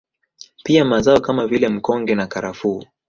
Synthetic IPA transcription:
piamazaɔkamavilɛm̩kɔŋɡɛnakaɾafuː

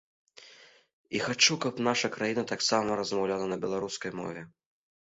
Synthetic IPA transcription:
ixat͡ʂukɐpnaʂɐkɾajinɐt̪aksamɐɾɐzmawlʲalˠɐnɐbʲɛlˠaɾuskɐjmɔ̰vʲɛ

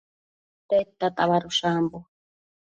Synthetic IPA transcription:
t̪et̪ːat̪ʼaβaɾuʃaːmbu

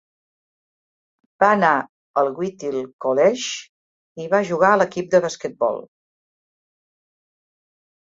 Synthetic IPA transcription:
b̥aəna | əlˠɣwit̪ilˠkolɛʃ | iβaʒuɣ̞aələkip̚d̪əβaskət̪̚bɔ̰lˠ

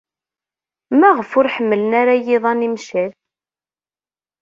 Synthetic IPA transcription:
mæʁəfʊɾħəmːələnaɾajɪðˤɑnimʃæl

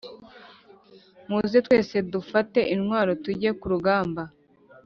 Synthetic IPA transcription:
muːzetwe̞ːse̞dufate̞ʔinŋwaːɾo̞tuɟe̞kuɾuɡaːmba

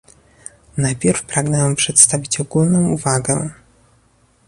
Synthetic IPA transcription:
najpʲjɛɾfpɾaɡnɛampʂɛt̪st̪avʲit͡ɕɔɡulnɔ̃w̃uvaɡɛ

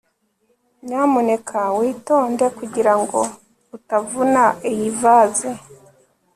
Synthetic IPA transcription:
ɲaːmune̞kʰawiːto̞ːndekuɟiɾaŋɡo̞ | utavunaijivaze

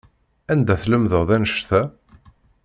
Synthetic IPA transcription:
ænd̪æθləmðəʁðænʃθæ

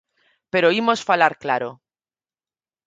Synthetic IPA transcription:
pe̞ɾoimo̞sfalaɾklaɾo

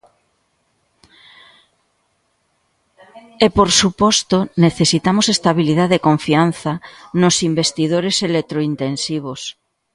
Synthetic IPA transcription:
epoɾsupɔst̪oneθesit̪amosest̪aβ̞iliðaðekoɱfianθanosimbest̪iðoɾeselek̚t̪ɾoint̪ensiβ̞os

